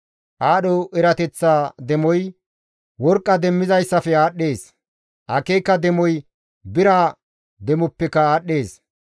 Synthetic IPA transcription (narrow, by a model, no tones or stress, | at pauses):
ʔaːɗɔʔɛɾɐt̪ɛt͡sːaːd̪ɛmɔj | wɔɾkʼːɐd̪ɛmːɪzɐjsːɐfɛaːɗːe̞ːs | ʔɐkeːkːɐd̪ɛmɔj | bɪɾaː | d̪ɛmɔpːɛkːɐaːɗːe̞ːs